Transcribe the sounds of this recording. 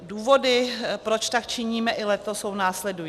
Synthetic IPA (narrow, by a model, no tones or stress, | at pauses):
duːvo̞dɪpɾo̞t͡ʃt̪akt͡ʃɪɲiːmɛʔɪlɛt̪oso̞wnaːslɛduj